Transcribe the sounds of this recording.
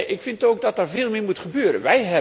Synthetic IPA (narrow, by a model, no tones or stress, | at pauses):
ʔɪkfɪntoːk̚dɔtərvɪːlˠmɪmutχəbøːəɾə̰nʋɛjɦɛ